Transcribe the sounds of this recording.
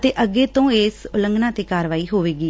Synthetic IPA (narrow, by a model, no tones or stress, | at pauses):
t̪eːʔəɡeːt̪õːeːsʊləŋɡnãːt̪eːkaːɾʋaːiːɦoːʋeːɡiː